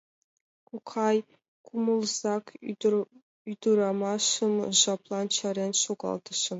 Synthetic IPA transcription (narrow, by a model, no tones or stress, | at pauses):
kukʰɑj | kʰumulˠzɑkʰ | yd̪uɾɑmɑʂɤmʒɑplˠɑnt͡ɕʰɑɾʲenʲʃuɡɑ̰lˠd̪ɤ̆ʂɤ̆m